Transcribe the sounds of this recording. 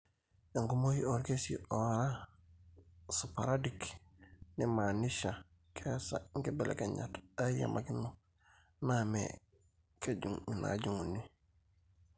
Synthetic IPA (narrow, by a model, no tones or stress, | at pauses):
eŋkumohioɾkesḭʔoɾa | supaɾadik | nimaniʃa | kʰesaŋkebelḛkeɲa̰taja̰mʔakinu | namḛ | keɟuŋina̰ɟuŋuni